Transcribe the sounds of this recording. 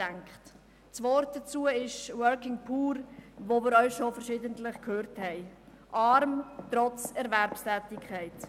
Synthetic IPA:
æŋkχt | t͡svɔɾt̚d̥at͡suːəɪʃwœɾkɪŋpʰuːɾʋomɪːɾœʏʃofɛɾʃɪːdəntlɪχkʰøːɾthɛɪ | ʔɑɾmtɾɔt͡sɛɾvɛɾpstɛːtɪkʰχɛɪt

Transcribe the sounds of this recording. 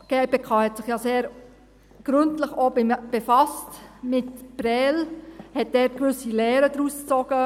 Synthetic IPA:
ɡ̥ɛpekʰɑhɛtsɪχjɑseːɾ | ɡ̥ɾʏntləχoːb̥efɑstmɪtb̥ɾɛːlhɛt̚dɛːɾkʋʏsilɛːɾədɾust͡sɔɡ̥ə

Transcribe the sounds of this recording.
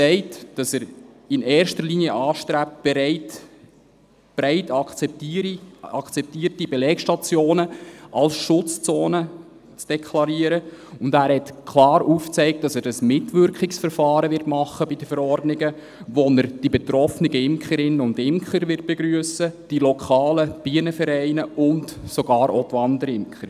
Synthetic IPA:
sɛɪtd̥ɑsəɾ | ɪnɛːɾʃtəɾliːniəʔɑːʃtɾæp̚t̚b̥ɛɾɛɪt | b̥ɾɛɪtɑkt͡sɛptɾiɑkt͡sɛp̚tiːəɾtibɛlɛːkʃtɑt͡sjoːnəʔɑlsʃʊt͡st͡soːnə | t͡sd̥ɛkʰlɑɾiːəɾəʊndæːɾhɛtkʰlɑːɾuːft͡sɛɪk̚t̚d̥ɑsəɾəsmɪtʋʏɾkχɪksfəɾfɑːɾəʋɪrtmɑχːəbidəfəɾɔrdnɪɡə | ʋonəɾd̥ibɛt̪ɾɔfniɡəɪmkχəɾɪnːəʊndɪmkχəɾʋɪt̚b̥eɡɾyəsəd̥ilɔkχɑːləb̥iənəfɛɾæɪnəʊntsoɡ̥ɑːɾʔo̰tʋɑndəɾɪmkχəɾ

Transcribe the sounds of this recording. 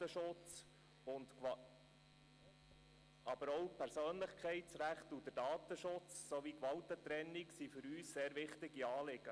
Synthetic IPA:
əʃʊt͡s | ʊntk | ɑb̥əɾɔwpʰɛɾsøːnləχkχɛɪt͡sɾæχtud̪ədɑːt̪əʃʊt͡ssoʋikʋɑwt̪ət̪ɾɛnːiksifʏɾyːsseːɾʋɪχtɪɡiɑːlɪɡ̥ə

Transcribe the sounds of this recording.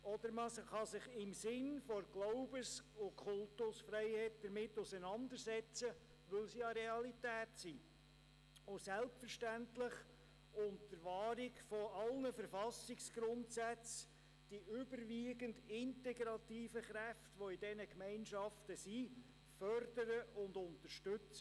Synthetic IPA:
ɔd̪əɾməχɑsɪχɪmsɪnfɔɾɡ̥loʊbəsʊkʰʊltʊsfɾɛɪhɛt̚d̥əɾmɪtːʊsənɑnd̪əɾsɛt͡sə | ʋɵlsiɑɾɛɑlitæːtsi | ʊsælpfəɾʃtæntlɪχ | ʊntəɾʋɑːɾɪkfɔɑlnəfəɾfɑsɪksɡ̥ɾʊntsæt͡s | d̥iʏbəɾʋiːɡəndɪntɛɡɾɑtiːfəχɾæftʋɔɪdɛnəkmɛɪnʃɑftəsi | fœɾdəɾəʊndʊntəʃtɵt͡sə

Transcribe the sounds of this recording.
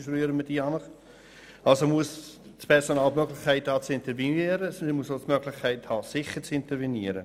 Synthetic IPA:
fɾyːəɾəməd̥iːɑnəχ | ɑlsomuəsspʰɛɾsonɑːlmøɡlɪχkʰaɪthɑːt͡sɪntəɾviiɾəsmuəsotmøɡlɪχkʰaɪthɑːsɪχəɾt͡sɪntəɾveniəɾə̰

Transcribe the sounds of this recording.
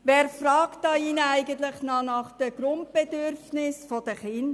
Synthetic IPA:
ʋɛːɾfɾɑːktdɑiːnəæɪɡənt̪lɪχnɑnɑχd̥əɡ̥ɾʊnt̚b̥ɛdøɾfnɪsfɔd̥əχɪnd

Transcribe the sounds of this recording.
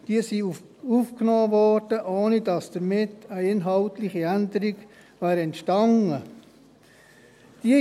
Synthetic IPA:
d̥iəsi | ufknoːvɔrd̥əʔoːnid̥ɑsd̥əɾmɪtəɪnɦɑltlɪχiænd̪əɾiɡ | væːɾɛntʃtɑnə | d̥i

